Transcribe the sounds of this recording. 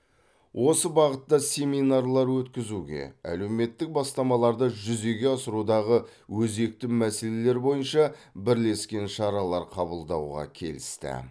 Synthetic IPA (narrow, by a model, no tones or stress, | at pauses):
wʔo̞səbɑʁət̪ːɑsʲe̞minɑrlˠɑɾwɵt̪kʲɪzuɡʲe̞̰æ̰le̞wme̞t̪ːɪk̚bɑst̪ɑmɑlˠɑɾd̪əʒʏze̞ɡʲe̞ɑsəɾud̪ɑʁə | wɵze̞k̚t̪ɪmæse̞le̞le̞ɾbo̞jənʃɑbɪɾle̞skʲe̞nʃɑɾɑlˠɑɾqʰɑbəlˠd̪ɑwʁɑ̰kʲʰe̞̰lɪ̰st̪ɪ̰